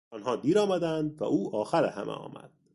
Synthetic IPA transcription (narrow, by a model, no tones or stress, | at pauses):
ɒːnɦɒːd̪iːɾɒːmæd̪ænd̪væ̰ʔuːʔɒːxæɾehæ̰mʔḛɒ̰ːmæ̰d̪̥